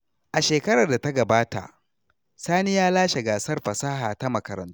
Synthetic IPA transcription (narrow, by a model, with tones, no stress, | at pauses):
ʔa˨ʃeː˨kɐ˦ɾɐ˨rda˨ta˦ɡɐ˨baː˦ta̰˨ʔ | saː˦nɪ˦jaː˦laː˦ʃe˨ɡaː˨sɐ˦rɸɐ˨saː˦ɦaː˨ta˦mɐ˨kɐ˨ɾɐ̰˨ntu˦